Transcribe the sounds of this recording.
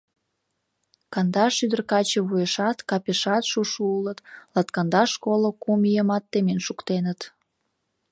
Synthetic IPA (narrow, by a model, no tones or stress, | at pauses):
kɑnd̪ɑʃyd̪ərkɑt͡ɕəβujəʃɑt̪kɑpʲeʃɑt̪ʃuʃuulət̪lɑt̪kɑnd̪ɑʃkolokumijəmɑt̪ːemenʃukt̪enət̪